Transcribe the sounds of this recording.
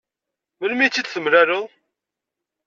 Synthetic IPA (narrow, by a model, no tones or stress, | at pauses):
məlmit͡sːid̪θəmɾæɾəðˤ